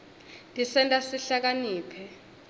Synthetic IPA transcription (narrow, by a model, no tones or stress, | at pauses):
dʱʼisɛntʼasiɬak̬aniːpʰɛ